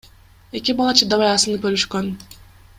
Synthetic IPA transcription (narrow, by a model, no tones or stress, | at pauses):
e̞kʲibɑlˠɑt͡ʃʰɯd̪ɑβɑjɑsɯnɯpølyʃkøn